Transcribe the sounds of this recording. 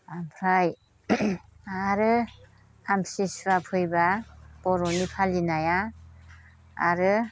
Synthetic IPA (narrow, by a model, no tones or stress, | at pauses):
ampʰɾaj | aɾɯ | ampsisapʰɯjbab̥ɔɾɔnipʰalinaja | a̰ɾɯ